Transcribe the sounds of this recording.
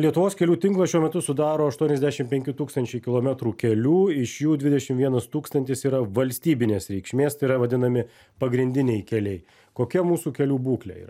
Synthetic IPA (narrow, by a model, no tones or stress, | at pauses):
lʲiɛt̪ʊʋoːskʲɛlʲuːt̪ʲɪŋklˠɐʃʲuɔmʲɛt̪ʊsʊd̪ɑːɾoːɐʃt̪uɔnʲɛzʲd̪ʲæːʃʲɪmpʲɛŋʲkʲɪt̪uːkst̪ɐnʲt͡ʃʲɛɪkʲɪlˠoːmʲɛt̪ɾuːkʲɛlʲuːɪʃjuːd̪ʲʋʲɪdʲɛʃʲɪmʋʲiɛnɐst̪uːkst̪ɐnʲt̪ʲɪsiːɾɐʋɐlʲsʲt̪ʲiːbʲɪnʲeːsɾʲɛɪkʃʲmʲeːst̪ɐɪɾɐʋɐd̪ʲɪnɐmʲɪ | pɐɡɾʲɪnʲd̪ʲɪnʲɛɪkʲɛlʲɛɪ | koːkʲɛmuːsuːkʲɛlʲuːbuːklʲɛ̰ḭːɾɐ